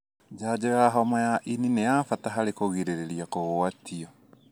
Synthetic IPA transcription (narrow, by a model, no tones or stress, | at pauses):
d͡ʒad͡ʑɔjaɦɔmajaʔininejafataɦaɾekoɣiɾeɾeɾiakoɣoatʰiɔ